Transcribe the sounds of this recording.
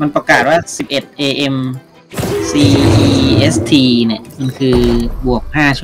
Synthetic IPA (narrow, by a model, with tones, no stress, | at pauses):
ma˧npɾa˧kaː˨˩t̪̚waː˥˩si˨˩p̚ʔe˨˩t̪̚ʔeː˧ʔe˧m | siː˧ʔiː˧ʔe˦˥st̪ʰiː˧ni˥˩əma˧nkʰɯː˧bu˨˩ək̚haː˥˩t͡ɕʰu˦˥